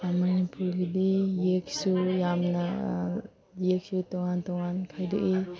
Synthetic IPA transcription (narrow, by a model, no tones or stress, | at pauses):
mɐnipuɾɡidijeksujamnɐ | jek̚sutɔŋantɔŋankʰajdɔʔi